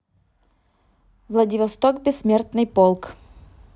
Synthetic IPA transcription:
vlˠɐdʲɪvɐst̪okbʲɪsːmʲert̪nɨjpolˠk

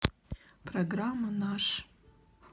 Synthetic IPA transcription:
pʰroɡramːanaʂ

